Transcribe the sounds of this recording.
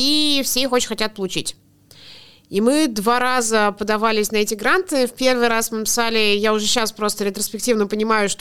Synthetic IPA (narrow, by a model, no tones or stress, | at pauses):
ifsʲejixot͡ɕɪ̥nʲxɐtʲat̪̚pəlˠʊt͡ɕḭtʲ | imɨd̪vaɾazəpəd̪ɐvalʲɪsʲnɐɛtʲɪɡɾant̪ɨfpʲe̞rvɨjɾasmɨnəpʲɪ̥salʲɪjaʊʐɛɕːaspɾo̞st̪əɾʲɪt̪ɾəspʲɪk̚tʲivnəpənʲɪmajʊʂt̪